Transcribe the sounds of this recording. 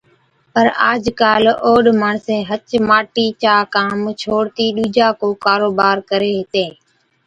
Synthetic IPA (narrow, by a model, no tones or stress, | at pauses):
pəɾaːd͡ʒkaːloːɗmaːɳsẽːɦət͡ʃmaːʈiːt͡ʃaːkãːmt͡ʃʰoːɽt̪iːɗuːd͡ʒaːkoːkaːɾoːbaːɾkəɾeːɦɪt̪eː